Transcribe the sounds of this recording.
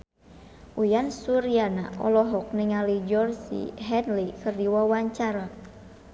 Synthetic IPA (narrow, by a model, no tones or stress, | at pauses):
ʔujansuɾiana̰ʔɔ̰lɔɦɔk̚niŋalid͡ʒɔrsḭɦɛnlikɨrdiwawaɲt͡ʃaɾa